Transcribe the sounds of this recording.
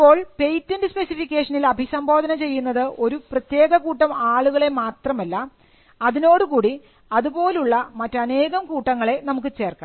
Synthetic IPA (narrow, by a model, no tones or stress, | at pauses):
pːo̞ːɭpe̞jtːindespe̞sifikʲːeːʂɐnilɐbʱisɐmbo̞ːd̪ʱɐnɐt͡ɕe̞jːunːɐðɨʔo̞ɾuprɐt̪je̞ːɣɐkuːʈːɐmaːɭuɣɐɭe̞maːt̪rɐmɐlːɐ | ɐðino̞ːɽukuːɽi | ɐðubo̞ːluɭːɐmɐtːɐne̞ːɣɐmkuːʈːɐŋːɐɭe̞nɐmuk̬ːɨt͡ɕe̞ːrkːa